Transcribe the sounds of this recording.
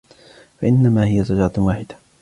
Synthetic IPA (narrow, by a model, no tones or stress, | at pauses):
faʔɪnːamaːhɪjasˤɑd͡ʒɾˤɑwaːħɪd̪ḁ